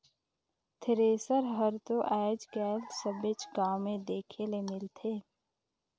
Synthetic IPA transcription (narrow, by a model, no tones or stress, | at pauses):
t̪ʰɪɾeːsəɾɦəɾt̪oʔɛːd͡ʒkɛːlsəbɪt͡ʃɡãːwmẽd̪eːkʰelemɪlt̪ʰeː